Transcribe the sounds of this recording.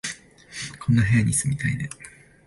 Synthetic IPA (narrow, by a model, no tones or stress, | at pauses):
kʰõ̞nːaɦejaɲ̟isɨmʲit̪aine